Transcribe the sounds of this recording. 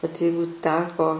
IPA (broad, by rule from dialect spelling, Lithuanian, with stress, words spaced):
ʋɐt ˈjɛɪɡʊ ˈtʲæːkoː